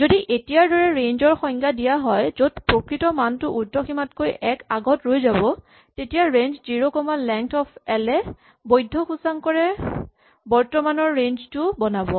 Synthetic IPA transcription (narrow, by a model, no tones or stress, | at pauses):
zodiʔetijaɹdɔɹɛɹenzɔɹxɔŋkadijaɦɔjzodpɹokɹitɔmantʊʔudɔximatkojɛkaɡɔtɹojzabɔ | tetijaɹenzziɹokɔmalɛŋktɔpʰɛlɛ | bojdʱːɔxusaŋkɔɹɛ | bɔɹtɔmanɔɹːenztʊbɔnabɔ